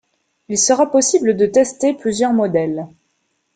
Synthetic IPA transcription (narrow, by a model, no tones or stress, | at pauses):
ilsəʁapɔsibləd̪ət̪ɛst̪eplyzjœʁmɔd̪ɛl